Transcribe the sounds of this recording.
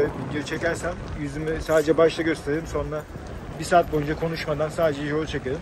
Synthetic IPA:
ɟiɾit͡ʃʰecæɾsæmjyzymysaːd̪ed͡ʒɛbaʃlˠaɟø̞st̪ʰe̞ɾelʲimso̞nɾa | bisaːt̪̚bo̞jynd͡ʒakʰo̞nuʃmad̪ansaːd̪ed͡ʒɛjoɾˠut͡ʃʰakɯɾɯm

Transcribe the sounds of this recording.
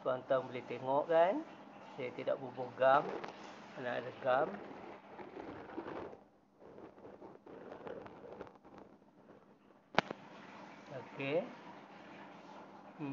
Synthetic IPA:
t̪uant̪aŋbəliht̪eŋɔʔkan | sajt̪ida̰ʔbubɔɡamanaʔləɡam | lake

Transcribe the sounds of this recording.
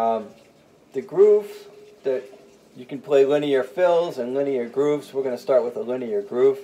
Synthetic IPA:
ðɨɡɹuvðɨt͡ʃ | ɨkɨ̃n̩pʰl̥eɪlɪ̃niə˞fɪlˠzə̃nlɪ̃niə˞ɡɹufzwəɹɡʌnəstɑɹt̚wəðəlɪ̃niə˞ɡɹʉf

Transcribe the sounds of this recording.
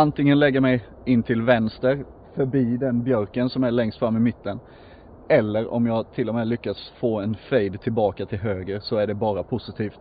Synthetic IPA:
ant̪ɪŋːənlɛɡːəɾmɛj | ɪnːt̪ʰɪlvɛnst̪əɾ | fœɾbiːd̪ɛnbjœɾkənsɔmæɭɛŋst̪fɾamːɪmɪt̪ːən | ɛlːəɾɔ̰mjɑːɡt̪ʰɪlːɔmɛːlʏkːat̪sfoːɛnfejd̪t̪ʰːɪlbɑːkat̪ʰɪlɦøːɡəɾsɔæɖɛbɑːɾapʰʊsɪt̪ʰiːft̪

